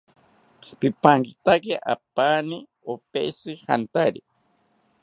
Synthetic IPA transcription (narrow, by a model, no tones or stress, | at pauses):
pipaŋkit̪akeʔapaːni | opḛsɨha̰nt̪aɾi